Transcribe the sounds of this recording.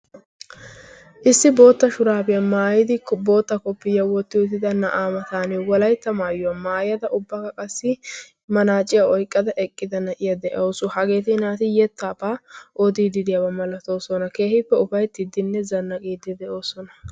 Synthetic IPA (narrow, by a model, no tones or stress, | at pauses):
ʔɪsːɪbo̞ːt̪ːɐʃʊɾaːbɪjɐmaːjɪd̪ɪbo̞ːt̪ːɐkɔpːɪjɐwɔt̪ːɪʊt̪ːɪd̪ɐnɐʔaːmɐt̪aːnɛwɔlɐjt̪ːɐmaːjɔwɐmaːjjɐd̪ɐʔʊbːɐkɐkʼɐsːɪ | mɐnaːt͡ʃʼːɪjaɔjkʼːɐd̪ɐʔɛkʼːɪd̪ɐnɐʔɪjɐd̪ɛʔoːsʊhɐɡe̞ːt̪ɪːnaːt̪ɪjɛt̪ːɐːpaːʔɔd̪iːd̪ɪd̪ɪjɐbɐmɐlɐt̪oːsɔnɐke̞ːhɪpːɛʊfɐjt̪ːɪd̪ːɪnːɛzɐnːɐkʼiːd̪ɪd̪ɛʔo̞ːsɔnɐ